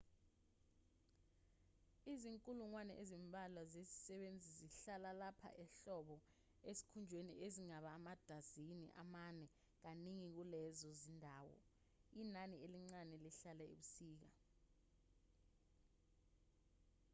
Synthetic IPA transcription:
iziŋkʼuluŋwanɛʔezimbʱalwazezi̥sɛɓend͡zʱiziɬalalapʰa̰ʔɛɬɔɓɔ | esi̥kʰund͡ʒʱwenḭʔeziŋaɓaːmad̥ʱazinḭʔa̰manɛ | k̬aniŋik̬ulɛzɔzindʱaːwɔ̰ | inanieliŋ͡ǀanɛliɬalɛḭɓusiːk̬a

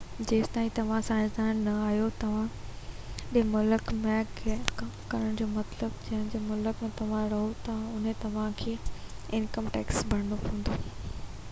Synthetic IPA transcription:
d͡ʑeːst̪aːĩt̪ɐʋ̤ãsãːɪ̃zd̪aːnːɐaːɦjot̪ɐʋ̤ã | ɗɪmʊləkmẽkʰekɐmkɐɾəɽ̃d͡ʑoːmɐt̪ləbd͡ʑɐ̃ɦɪ̃ñd͡ʑoːmʊləkmẽt̪ɐʋ̤ãɾɐɦot̪ɐãʊn̤ẽt̪ɐʋ̤ãkʰeːɪnkəmʈḛːksbʱɐɽənopũːn̆d̪oː

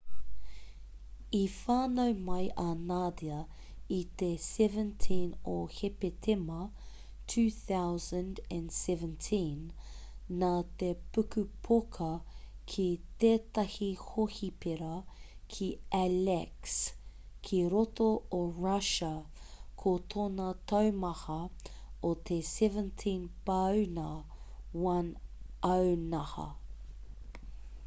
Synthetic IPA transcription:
ifaːnowmɐjʔɐnaːd̪iɐ | it̪esɛvə̃ntʰĩnohepet̪ʰemɐ | tʰʉːθawzə̃ndɛ̃nsɛvə̃ntʰĩnː | aːt̪epʉkʉpʰokʰɐkʰit̪eːt̪ɐhihohipeɾɐkʰiælɛks | kʰiɾot̪ooɹɐʃɐkʰot̪ʰoːnɐt̪ʰɐwmɐhɐot̪ʰesɛvə̃ntʰĩnpɐwnɐwɐnɐwnɐhɐ̰

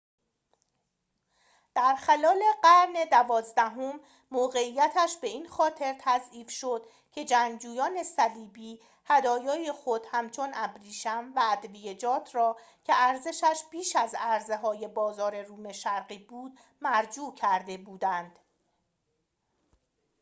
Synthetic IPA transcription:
d̪̥æɾxælɒːle̞ɢæɾne̞d̪ævɒːzd̪æɦomː | oːɣe̞ijːæt̪ʰæʃbe̞iːnxɒːt̪ʰe̞ɾt̪ʰæziːfʃo̞d̪̥ | cʲʰe̞d͡ʒæɲd͡ʒuːjɒːne̞sæliːbiː | hæd̪ɒːjɒːje̞xo̞d̪̥hæmt͡ʃʰo̞næbɾiːʃæmvæːd̪vijed͡ʒɒːt̪ʰrɒːcʰe̞æɾze̞ʃæʃbiːʃæzæɾze̞ɦɒːje̞bɒːzɒːɾe̞ruːme̞ʃæɾɢiːbuːd̪̥ | mæɾd͡ʒuːcʰæɾd̪e̞buːd̪ænd̪̥

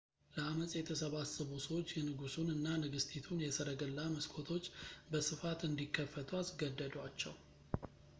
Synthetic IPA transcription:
ləaməsʼjɛt̪ʰəsəβasəβusəwot͡ʃːjɛnɨɡusunɨnːanɨɡɨst̪ʰit̪ʰunjɛsəɾəɡəlːaməskʰo̞t̪ʰo̞t͡ʃːbəsɨfat̪ɨnd̪ikʰːəfːət̪ʰuasɡəd̪ːəd̪wat͡ʃːɛ̰w

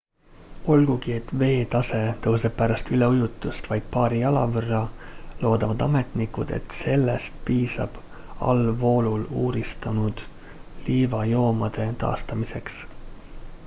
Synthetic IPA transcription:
o̞lɡ̥uɡ̥ie̞t̪ːve̞ːt̪ɑse̞t̪ɤwseppæɾɑst̪yle̞ujut̪ːˑust̪vɑjd̪̥̚pɑːɾiɑlɑ̰vɤrːɑlo̞ːd̪ɑvɑd̪ɑme̞t̪nikud̪̥e̞̰t̪se̞lːest̪̚piːsɑ̰b̥ | ɑ̰lvo̞ːluluːɾist̪ɑnud̪̥ | liːvɑjo̞ːmɑd̪̥e̞t̪ɑ̰ːst̪ɑmise̞ks

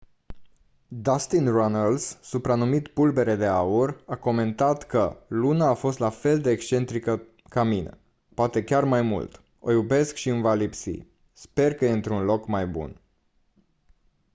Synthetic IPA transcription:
d̪ast̪inronəlsːupɾanumit̪pulbe̞ɾe̞d̪e̞aurako̞me̞nt̪at̪kəlunaːfo̞st̪lafe̞ld̪e̞ːkst͡ʃe̞nt̪ɾikə | kaminə̰ | poat̪e̞kʲarmajmṵlt̪ | o̞jube̞skʃiɨmvalipsḭ | spe̞rkəjeɨnt̪ɾunlo̞kmajbṵn

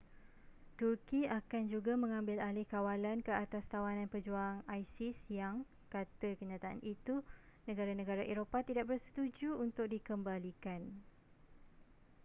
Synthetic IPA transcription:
t̪urkiakand͡ʒuɡamə̃ŋãmbɪlalɪhkawalankəat̪ast̪awanãnpəd͡ʒuaːŋajsɪsjaŋ | kat̪əkəɲãt̪aʔa̰nʔit̪unə̃ɡaɾanə̃ɡaɾaʔeɾopat̪idaʔ̚bərsə̥t̪ud͡ʒuːnt̪ʊk̚dikəmbalikan

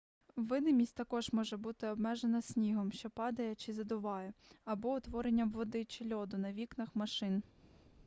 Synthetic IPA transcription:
ʋɪnɪmʲisʲtʲt̪ɐkɔʒmɔʒɛbut̪ɪɔbmɛʒenɐsʲnʲiɦɔmʃt͡ʃɔpɑd̪ɐjɛt͡ʃɪzɐd̪ʊʋɑjɛɐbɔʊt̪ʋɔɾenʲːɐmʋɔd̪ɪt͡ʃɪlʲɔd̪ʊnɐʋʲiknɐxmɐʃɪn

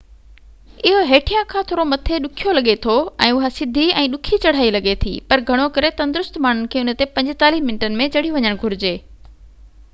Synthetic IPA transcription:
ɪɦoɦeːʈʰijãkʰãːt̪ʰoːɾomɐt̪ʰeɗʊkʰijolɐɠet̪ʰoɛ̰̃ːʊɦasɪd̪ʱiɛ̃ːɗʊkʰit͡ɕɐɽ̤aːilɐɠet̪ʰḭːpɐɾɡʱɐɽ̃okɐɾet̪ɐ̃nd̪ʊɾʊst̪maːɳ̤ʊnɪ̆kʰeːʊnə̆t̪epɐ̃ɲd͡ʑɪt̪aːliːɦmɪnʈənɪ̆mẽt͡ɕɐɽ̤iʋɐɲəɽ̃ɡʱʊɾɪd͡ʑeː

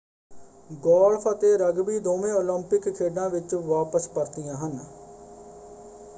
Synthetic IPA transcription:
ɡɔːlpʰət̪eːɾəɡbiːd̪oːmẽːoːləmpɪkkʰːeːɖãːʋɪt͡ʃʋaːpəspəɾt̪ɪjãːɦən

